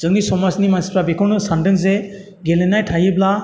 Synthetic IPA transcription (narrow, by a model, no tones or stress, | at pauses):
z̥ɯŋisɔmasnimanspɾabekʰɔɾnɯsandɯŋze | ɡelenajtʰajɯbla